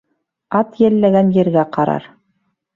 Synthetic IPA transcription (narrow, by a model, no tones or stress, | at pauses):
ɑt̪jælːæɡænjɘ̆ɾɡæqɑɾɑ̰ɾ